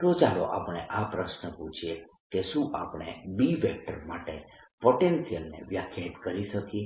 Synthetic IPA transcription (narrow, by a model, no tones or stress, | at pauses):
t̪od͡ʒalo̰ʔa̰pɽ̃eʔapɾəʃnəpũt͡ʃʰie | keʃũʔa̰pɽ̃ḛbiʋek̚ʈəɾmaʈepoʈensijəlnḛʋjakʰjait̪kəɾiʃəki